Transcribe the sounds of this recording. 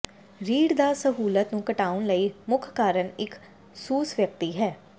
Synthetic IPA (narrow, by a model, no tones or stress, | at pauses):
ɾiːɽd̪aːsəɦuːlət̪nũːkəʈaːʊnləiːmʊkʰkaːɾənɪk | suːsʋjək̚t̪iːɦɛː